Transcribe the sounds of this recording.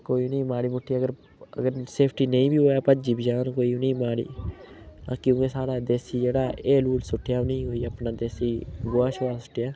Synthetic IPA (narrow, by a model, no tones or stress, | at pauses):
koːiːnĩːmaːɽiːmʊʈʰːiːaːəɡəɾ | ə̰ɡəɾseːpʰʈiːnə̃ĩːbiːɦoːaːpəd͡ʒiːbʱid͡ʒaːnkoːiːʊnĩːmaːɽḭː | a̰ːkjõːkesaːɽaːd̪eːsiːd͡ʒeːɽaːʔeːluːlsʊʈʰːɪjaːnəĩɦoːiːəpnaːd̪eːsiːɡoaːʃoːaːsʊ̥ʈʰːɪjaː